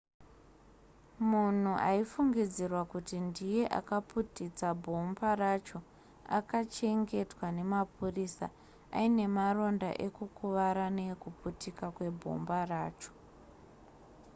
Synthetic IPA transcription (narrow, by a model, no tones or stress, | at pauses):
mun̤uʔaifuŋɡid͡zirwakutindije̞ʔa̰kaputit͡sabʱo̞mbaɾat͡ʃo̞ | a̰kat͡ʃe̞ŋɡe̞twane̞mapurisa̰ | aine̞maro̞nda̰ʔe̞kukuʋaɾanekuputikakwe̞bʱo̞̰mbaraːt͡ʃo̥